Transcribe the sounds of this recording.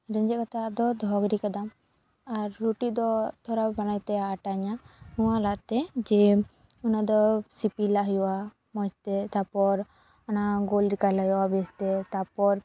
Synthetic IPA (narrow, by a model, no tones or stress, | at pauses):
ɾɛɲd͡ʒɛkat̪ad̪ɔd̪ʱɔɡɾikad̪am | aɾːuʈid̪ɔt̪ʰɔɾabanajt̪ɛːʈaɲanuwalat̪ɛd͡ʒɛ | ɔnad̪ɔsipilaɦjwa | mɔd͡ʒt̪ɛt̪apɔɾ | ɔnaɡolɾikalajɔwabɛst̪ɛt̪apɔɾ